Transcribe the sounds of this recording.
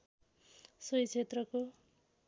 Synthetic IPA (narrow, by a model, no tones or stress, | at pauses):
sʌjt͡sʰet̪rʌko